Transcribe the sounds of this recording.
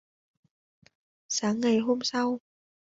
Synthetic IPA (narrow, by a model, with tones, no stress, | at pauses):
saː˨˦ŋːa˨˩jɦo˧msa˧w